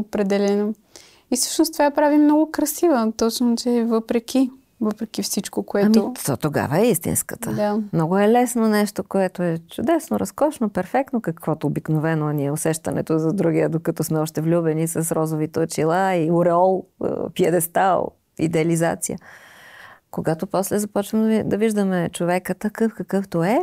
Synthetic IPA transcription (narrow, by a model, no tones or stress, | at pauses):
opɾɛd̪ɛlɛno | isə̥ʃnost̪ovapɾavimnɔɡʊkɾɐsivət̪ɔt͡ʃnot͡ʃɛvəpɾɛkʲi | vəpɾɛk̟ifsit͡ʃkokoɛamot̪ɔt̪oɡa̰vəɛist̪ḭnskət̪əd̪amnɔɡʊɛlɛsnonɛʃt̪okoɛt̪oɛt͡ʃʊd̪ɛsnoɾɐskɔt͡ʃnopɛɾfɛk̚t̪nokɐkvɔt̪oːbiknovɛnoɛniɛosɛʃt̪ɐnɛ̰t̪ozɐd̪ɾuɡiəd̪okɐt̪ɔsmɛɔʃt̪ɛvlʲubɛnisɐsɾɔzovit̪ɛʊt͡ʃilˠaiʊɾɛɔl̰ˠpiɛd̪ɛst̪a̰lˠ | ḭd̪ɛɐliza̰t̪sḭjə̰ | koɡat̪opɔslɛzɐpɔt͡ʃvəmd̪ɐviʒd̪əmɛt͡ʃovɛkət̪ɐkɤfkɐkɤft̪oɛ